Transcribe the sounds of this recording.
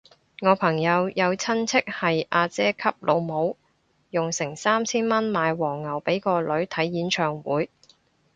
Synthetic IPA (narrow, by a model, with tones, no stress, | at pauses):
ŋɔː˨˧pʰɐ˨˩ŋjɐ˨˧wjɐ˨˧wt͡sʰɐ˥nt͡sʰɪ˥k̚hɐ˨jʔaː˧t͡sɛː˥kʰɐ˥p̚lʔo˨˧wmo˨˧w | jʊ˨ŋsɪ˨˩ŋsaː˥mt͡sʰiː˥nmɐ˥nmaː˨˧jwɔː˨˩ŋːɐ˨˩wpe˨˥jkɔː˧lɵ˨˥ɥt̪ʰɐ˨˥jːiː˨˥nt͡ʃʰœː˨˩ŋwuː˨˥j